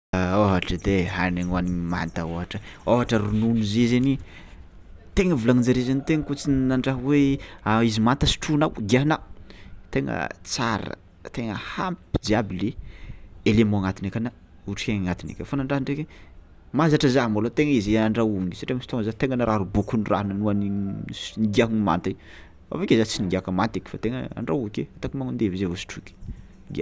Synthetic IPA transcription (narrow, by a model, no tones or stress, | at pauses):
oɦaʈ͡ʂəd̪eɦaneŋwanima̰nt̪aoɦaʈ͡ʂəoɦaʈ͡ʂəɾununizizeni | t̪eŋəvulaŋinaɾizenit̪eŋəkut͡sinnaɳɖ͡ʐaɦweaizimant̪əsi̥ʈ͡ʂunawɡiaɦnat̪eŋə̰t͡saɾə̰ | t̪eŋə̰hampi̥d̪iabli | elemɔ̃aŋat̪inekana | uʈ͡ʂi̥kʲeŋŋat̪inḛkʲafanaɳɖ͡ʐaɦɳɖ͡ʐeke | mazaʈ͡ʂəzaɦmolot̪eŋəizianaɳɖ͡ʐawuŋisḁʈ͡ʂeŋəsi̥t̪oŋəzat̪eŋənaɾʔaɾubukunira̰ɦnanuaniniɡiaɦnima̰nt̪i | a̰vekʲezat͡siniɡʲakəmant̪ikʲi̥fat̪eŋəa̰ɳɖ͡ʐaukʲḛat̪akimaŋund̪evizevosi̥ʈ͡ʂukʲi̥ | ɡa̰